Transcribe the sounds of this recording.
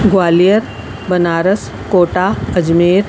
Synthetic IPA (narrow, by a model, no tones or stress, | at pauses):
ɡwaːlijəɾ | bɐnaːɾəs | koːʈaːɐd͡ʒmeːɾ